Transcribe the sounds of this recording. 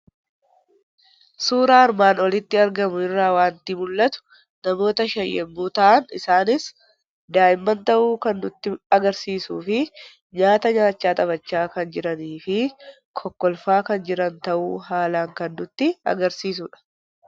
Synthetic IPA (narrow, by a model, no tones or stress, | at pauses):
suːɾaːɐɾmaːnɔlɪt̪ːɪɐɾɡɐmʊɪrːaːwaːnt̪imʊlːɐt̪ʊ̥ | nɐmo̞ːt̪ɐʃɐjːɛ̰mːuːt̪ɐʔɐnɪsaːnɪs | d̪aːʔɪmːɐnt̪ɐʔuːkɐnːʊt̪ːɪɐɡɐɾsiːsuːfɪ | ɲaːt̪ɐɲaːt͡ʃːaːt̪ʼɐbɐt͡ʃːaːkɐnd͡ʒɪɾɐniːfɪ | kʰɔkːɔlfaːkɐnd͡ʒɪɾɐnt̪ɐʔṵːɦaːlaːŋkɐnːʊt̪ːɪɐ̰ɡɐɾsiːs̬ʊᶑɐ̥